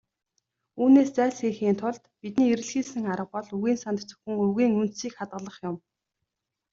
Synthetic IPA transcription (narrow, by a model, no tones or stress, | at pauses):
uːneːst͡sæːɮseːxiːnt̪ʰʊɮt̪pit̪̚niːeɾɘ̆ɮxiːsɘ̆ŋaɾə̆q̚pɔɮɵɣiːnsant̪ʰt͡sɵ̥xɘ̆ŋɵɣiːŋɵnt̪siːkχat̪̚ɢə̆ɮə̆χjʊm